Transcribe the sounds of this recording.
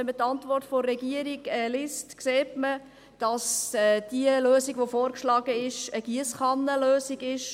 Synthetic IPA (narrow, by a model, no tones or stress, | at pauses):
ɛmətːɑntvʋɔrtforːɛɡiəɾiɡɛːlɪstkseːtmə | d̥ɑsɛd̥iəløːsiɡʋofoːɾkʃlɑːɡəɪʃəɡ̥iəsχɑnːəløːsiɡɪʃ